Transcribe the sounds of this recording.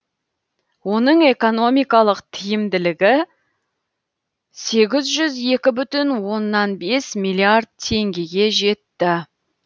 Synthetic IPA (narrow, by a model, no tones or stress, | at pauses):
wo̞nəɴe̞ko̞no̞mijkɑlˠəqt̪ʰɪjɪmd̪ɪlɪɡʲɪ | se̞ɡʲɪzʒʏze̞kʲɪbʏt̪ɪnwo̞nːɑnbe̞smilˠiard̪̚t̪ʰːe̞ŋɡʲe̞ɡʲe̞ʒe̞t̪ːɪ